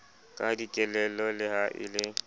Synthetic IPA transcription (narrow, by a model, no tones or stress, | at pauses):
kʼadit͡ʃʼɛlɛlɔlɪhaʔɪ̰lɪ